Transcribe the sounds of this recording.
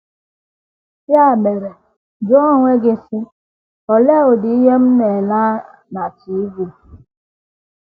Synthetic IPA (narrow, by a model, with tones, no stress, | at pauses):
ja˦˨me˨ɾe˨ | d͡ʒɔ˦ŋʷe˦ɡɪ˦si˦ | ɔ˨le˦˨o˨dɪ˨i˦ɦe˦m̩˦ne˨la˦ | na˨t͡ʃi˨˦ɡi˦˨